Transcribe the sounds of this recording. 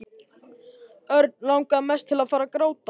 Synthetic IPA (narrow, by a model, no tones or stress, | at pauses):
œɾt̪̚nlawŋkamɛst̪ʰːɪlaðfaːɾakɾoːwt̪a